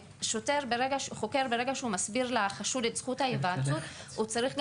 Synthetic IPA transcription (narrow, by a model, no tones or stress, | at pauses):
ʃoteʁbeʁeɡaʃuχoke̞ʁbeʁeɡaʃeumasbiʁlaχaʃudetz̥χuthajevat̪utut͡saʁiχɡ